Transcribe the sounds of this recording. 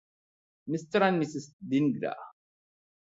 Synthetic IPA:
məst͡sːɾˤanmisəsd̪inɡɾæ̰

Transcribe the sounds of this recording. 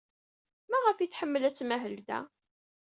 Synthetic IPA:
mæʁəfiθħəmːəlæt͡sːmæɦəld̪æ̰

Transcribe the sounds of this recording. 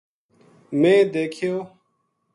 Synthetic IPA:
mẽːd̪eːkʰijoː

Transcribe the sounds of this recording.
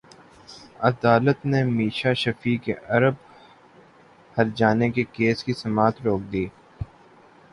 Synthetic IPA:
ɐd̪aːlət̪nemiːʃaʃɐfiːkeʔɐɾəb̚ | hɐɾd͡ʒaːnekekeːskisɐmaːt̪ɾoːk̚d̪iː

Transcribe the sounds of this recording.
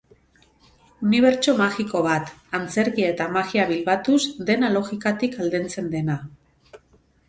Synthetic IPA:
uniβ̞e̞ɾt͡ʃo̞maɣiko̞βat̪ant͡se̞ɾɣiae̞t̪amaɣiaβilβat̪uzd̪e̞nalo̞ɣikat̪ikald̪ent͡se̞nd̪e̞na

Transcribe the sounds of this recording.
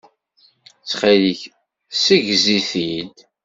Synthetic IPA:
t͡sːχaliç | siʝziθil

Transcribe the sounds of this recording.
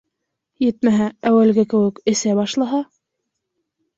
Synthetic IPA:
jɘt̪mæɦææwælɡækɘ̆wɘ̆kɘ̆sæbɑʃlˠɑɦɑ

